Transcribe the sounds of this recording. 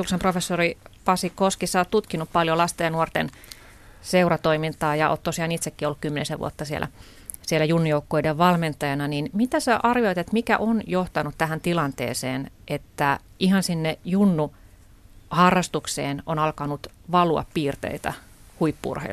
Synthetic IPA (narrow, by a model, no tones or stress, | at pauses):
uksemprofesːoripɑsikoskisæoːt̪t̪ut̪kinuppɑljolɑst̪eːnuort̪en | seurɑt̪oimint̪ɑːjɑo̰ːt̪t̪osiɑːnit̪sekːiolːukymːenḛseʋṵo̰t̪ːɑsiḛlʔæ̰ | sielæjunːujoukːoideʋʋɑlment̪ːˑɑjɑnɑninmit̪æseʔɑrjoit̪et̪mikæ̰ʔonjoht̪ɑnut̪t̪æhænt̪ilɑnt̪ḛːsḛːnʔet̪ːæihɑnsinːejunːu | hɑrːɑst̪ukseːnonɑlkɑnut̪ʋɑluɑ̰ppiːrt̪ḛit̪æ̰ | huipːṵrhḛ